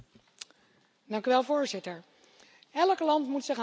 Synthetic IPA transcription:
dɑŋkyʋɛlˠvoːɹzɪtəɹ | ɛləklɑntmutsɪχ

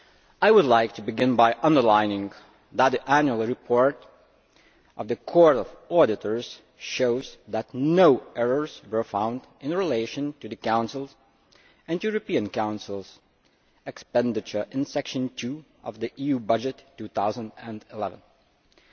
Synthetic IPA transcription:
aɪwədˡlaɪk̚tʰɨbɨɡɪ̃nbaɪʔʌ̃ndə˞laɪɪ̃ŋ | ðət̪̚ðiʔænjul̩ˠɹɨpʰɔɹɾ | ʔʌvðɨkʰɔɹɾʌvɔɾɨɾə˞z̥ | ʃoʊzðətnoʊɛɹə˞z̥wə˞fãʊ̃nd | ɨ̃nɹɪleɪʃɨ̃ntʰɨðɨkãʊ̃nsl̩ˠz | ɨ̃njuɹɨpĩɨ̃nkãʊ̃nsl̩ˠz̥ | ɛkspɛ̃ndɨt͡ʃə˞ʔɨ̃nsɛkʃɨ̃ntʰʉ | ʌvðiʔijʉbʌd͡ʒɨtʰːʉθaʊzə̃ndɨ̃ndɪlɛvə̃n

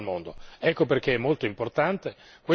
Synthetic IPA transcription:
lmond̪oɛkːoperk̟eɛmːolt̪oimport̪ant̪e | kwe

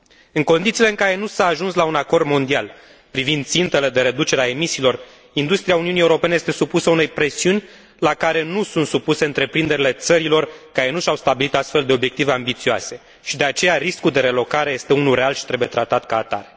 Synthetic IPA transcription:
ɨŋko̞nd̪it̪siːle̞ɨŋkaɾe̞nusaːʒunslaunako̞rd̪mo̞nd̪ial | pɾivind̪̚t̪sint̪e̞le̞d̪e̞ɾe̞d̪ut͡ʃe̞ɾeae̞misiːlo̞r | ind̪ust̪ɾiauniunie̞uɾo̞pe̞nee̞st̪e̞supusəune̞jpɾe̞siunʲ | lakaɾe̞nusunt̪supuse̞ɨnt̪ɾe̞pɾind̪e̞ɾile̞t̪səɾilo̞rkaɾe̞nuʃawst̪abilit̪ast̪fe̞ld̪e̞o̞bje̞k̚t̪ive̞ambit̪sioa̰se̞ | ʃid̪e̞at͡ʃe̞jaɾiskuld̪e̞ɾe̞lo̞kaɾe̞je̞st̪e̞unulɾe̞alʃi̥t̪ɾe̞buje̞t̪ɾat̪at̪kaːt̪a̰ɾe

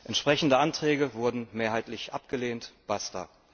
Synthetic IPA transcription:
ʔɛntʃpʁ̥ɛçn̩dəʔantʁ̥ɛːɡəvʊɐdn̩meːɐɦaɪtlɪçʔa̰p̚ɡ̥əleːntb̥astɐ̰

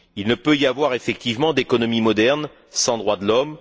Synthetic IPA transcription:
ilnəpøijavwaʁefɛk̚t̪ivmɑ̃d̪ekɔnɔmimɔd̪ɛʁn | sɑ̃d̪ʁwad̪əlɔm

